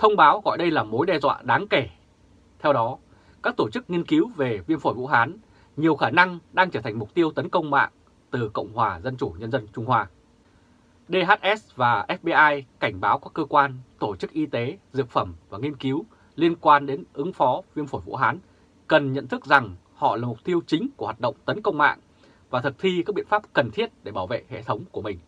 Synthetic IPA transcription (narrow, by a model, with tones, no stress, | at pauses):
t̪ʰə˧wŋ͡mɓaː˨˦wɣɔ̰˧˨jɗə˧jlaː˨˩mo˨˦jɗɛ˧zwa̰ː˧˨ɗaː˨˦ŋke˧˩ | t̪ʰɛ˧wɗɔ˨˦ | kaː˦˥k̚t̪o˧˩t͡ɕɨ˦˥k̚ŋi˧ənki˨˦wve˨˩vi˧əmfo˧˩jvṵ˧˥ɦaː˨˦n | ɲi˨˩əwxaː˧˩na˧ŋɗaː˧ŋt͡ɕəː˧˩t̪ʰŋ̟mʊ˨˩k͡p̚t̪i˧əwt̪ə˨˦nkə˧wŋ͡mma̰ː˧˨ŋ | t̪ɨ˨˩kə̰˧˨wŋ͡mhwaː˨˩zə˧nt͡ɕu˧˩ɲə˧nzə˧nt͡ɕʊ˧ŋ͡mhwaː˧ | ɗe˧ɦaː˦˥t̚ʔɛ˦˥svaː˨˩ʔɛ˦˥f̚ɓe˧ʔaː˧jka˧˩jŋ̟ɓaː˨˦wkɔ˦˥kːəː˧kwaː˧nt̪o˧˩t͡ɕɨ˦˥k̚ʔi˧t̪e˨˦zɨ̰˧˨ək̚fə˧˩mvaː˨˩ŋi˧ənki˨˦w | li˧ənkwaː˧nɗe˨˦nʔɨ˨˦ŋfɔ˨˦vi˧ənfo˧˩jvṵ˧˥ɦaː˨˦n | kə˨˩nɲə̰˧˨nt̪ʰɨ˦˥k̚za˨˩ŋ | hɔ̰˧˨laː˨˩mʊ˨˩k͡p̚t̪i˧əwt͡ɕï˨˦ŋ̟ku˧˩hwaː˨˩ɗə̰˧˨wŋ͡mt̪ə˨˦nkə˧wŋ͡mma̰ː˧˨ŋ | vaː˨˩t̪ʰɨ˨˩k̚t̪ʰi˧ka˦˥ɓḭ˧˨ənfaː˦˥p̚kə˨˩nt̪ʰi˦˥ət̚ɗe˧˩ɓaː˧˩wvḛ˧˨hḛ˧˨t̪ʰə˨˦wŋ͡mku˧˩əmï˨˩ŋ̟